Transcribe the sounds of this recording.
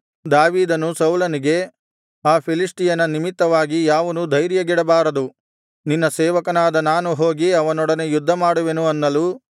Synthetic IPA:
d̪aːʋiːd̪ɐnusɐwlɐniɡe̞ | aːpʰilisʈijɐnɐnimit̪ːɐʋaːɡijaːʋɐnud̪ʱɐjɾjɐɡiɽɐbaːɾɐd̪u | ninːɐsɛːʋɐkɐnaːd̪ɐnaːnuɦo̞ːɡiɐʋɐnɔɽɐne̞jud̪ʱːɐmaːɽuʋe̞nuɐnːɐlu

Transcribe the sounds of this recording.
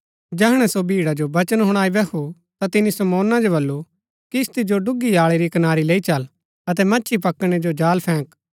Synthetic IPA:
d͡ʒɛːɦɽ̃ɛsobʱiːɽad͡ʒobɐt͡ʃənɦʊɽ̃aːibɛkʰu | t̪at̪ɪnisɐmɔːnad͡ʒobɐlːu | kist̪id͡ʒoɖʊɡijaːɭeɾikɐnaːɾileːit͡ʃɐl | ɐt̪̬ɛmɐːʃʰipɐkɽ̃ed͡ʒod͡ʒaːlpʰɛ̃ːk

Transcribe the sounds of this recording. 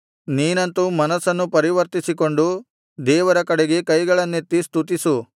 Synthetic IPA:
niːnɐnt̪umɐnɐsɐnːupɐɾiʋɐɾt̪isiko̞ɳɖu | d̪ɛːʋɐɾɐkɐɽeɡe̞kɐjɡɐɭɐnːe̞t̪ːist̪ut̪̬isu

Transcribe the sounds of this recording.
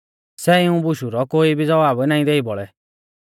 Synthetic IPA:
sɛɪũbʊʃuɾɔkoːibʱid͡zɔʋaːbnaːĩd̪eːibɔɭɛ

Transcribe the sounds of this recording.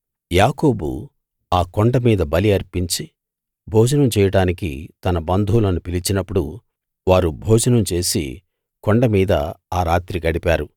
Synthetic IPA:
jaːko̞ːbṵ | aːkoɳɖɐmiːd̪ɐbɐliɐɾpiɲt͡ʃi | bʱɔːd͡ʒɐnɐmt͡ʃɛːjɐɽaːnikḭt̪ɐnɐbɐnd̪ʱulɐnupilit͡ʃinɐpːuɽu | ʋaːɾubʱɔːd͡ʒɐnɐmt͡ʃe̞ːsḭ | koɳɖɐmiːd̪ɐaːɾaːt̪ɾikɐɽipaːɾu

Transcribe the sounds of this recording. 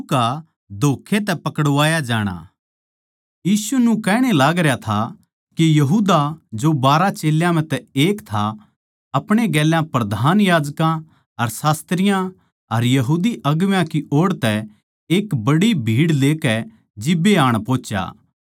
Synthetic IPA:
ka | d̪ʱoːkʰːet̪̬ɛpɐkɽʋaːjad͡ʒaːɽ̃a̰ | jiːsunũkɛːɽ̃elaːɡɾjat̪ʰa | kijɐɦuːd̪ad͡ʒobaːɾat͡ʃeːljãm̤ɛ̃t̪ɛeːkt̪ʰa | ɐpɽ̃eɡɛːljãpɾɐd̪ʱaːnjaːd͡ʒkã | ɐɾsaːst̪ɾɪjã | ɐɾjɐɦuːd̪iʔɐɡʋjãkiʔoːɽt̪ɛ | eːkbɐɽibʱiːɽleːkɛ | d͡ʒɪbeaːɽ̃põːt͡ʃja̰ː

